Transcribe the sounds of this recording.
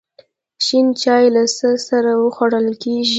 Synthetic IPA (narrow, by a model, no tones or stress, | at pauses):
ʃint͡ʃɑjlasəsaɾawəxwaɽəlkeʒi